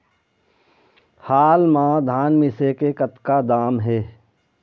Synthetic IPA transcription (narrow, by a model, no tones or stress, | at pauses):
haːlmãd̪ʱaːnmɪsekekət̪kad̪aːmɦɛː